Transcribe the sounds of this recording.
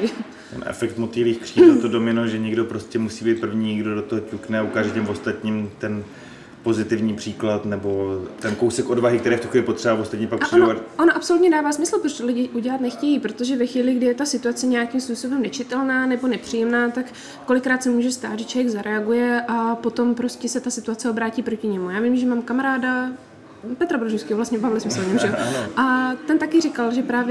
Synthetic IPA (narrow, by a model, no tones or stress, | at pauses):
t̪ɛ̰nʔɛ̰fɛkt̪mot̪iviːxkr̥iːt̪odomɪnoʒɛɲɛɡdo̞pɾo̞scɛmusiːbiːt̪̚pr̩vɲiɲɛɡdodot̪oɦocuknɛaukaːʒɛcɛmvost̪at̪ɲiːmt̪ɛn | po̞zɪt̪ɪvɲiːpr̝̥iːklat̪nɛbo̞t̪ɛnko̞wsɛkʔo̞dvaɦɪkt̪ɛɾɛːft̪uxijɛpot̪r̥ɛbavost̪at̪ɲɛpaksodunovaonoʔapso̞lut̪ɲɛdaːvaːsmɪsl̩ˠpɾoʃt̪olɪɟɪʔuɟɛlat̪nɛxcɛjiːpɾo̞t̪oʒɛvɛxviːlɪɡdɪjɛt̪asɪt̪uat͡sɛɲɛjakɪmspuːso̞bɛmnɛt͡ʃɪt̪ɛlnaːnɛbo̞nɛpr̥iːjɛmnaːt̪akː | olɪkːɾaːt̪sɛmuːʒɛst̪aːt̪ʒɛt͡ʃlvjɛɡzaɾɛaɡujɛʔapo̞t̪o̞mpɾo̞scʲɛsɛt̪asɪt̪uat͡sɛo̞bɾaːciːpɾo̞cɪɲɛmujaːvɪmʒɛmaːmkamaɾaːda | pɛt̪ɾabɾoʒowskɪɦovlast̪ɲɛbavlɪsmɪsl̩ɲɛmʒɛjonoʔat̪ɛnt̪akɪrɪkalʒɛpɾaːvjɛ